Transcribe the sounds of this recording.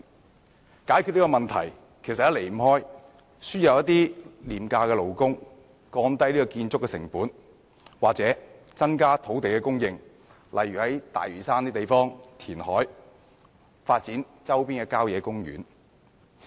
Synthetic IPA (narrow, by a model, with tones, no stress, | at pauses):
kaː˨˥jkʰy˨˧nliː˥kɔː˧mɐ˨nt̪ʰɐ̰˨˩j | kʰjsɐ˨t̚jɐ˥le˨jm̩˨˩hɔː˥j | syː˥njɐ˨wjɐ˥t̪iː˥liː˨˩mkaː˧kɛː˧lo˨wkʊ˥ŋ | kɔː˧nt̪ɐ˥jliː˥kɔ˧kiː˧nt͡sʊ˥kːɛː˧sɪ̰˨˩ŋpuː˨˥n | waː˨k̚t͡sɛː˨˥ | t͡sɐ˥nkaː˥t̪ʰo˨˥wt̪e˨jkɛ˧kʊ˥ŋjɪ˧ŋ | lʔɐ˨jɥyː˨˩hɐ˨˦˥jt̪a̰ː˨jɥyː˨˩saː˥nt̪iː˥t̪e˨jfɔː˥ŋt̪ʰiː˨˩nhɔː˨˥j | faː˧t̚t͡siː˨˥n | t͡sɐ˥wpiː˥nkɛ˧kaː˥wjɛː˨˧kʊ˥ŋjy̰ː˨˥n